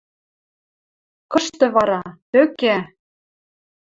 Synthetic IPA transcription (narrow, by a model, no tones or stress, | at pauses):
kɤ̆ʃt̪ɤ̆βɑɾɑt̪økæ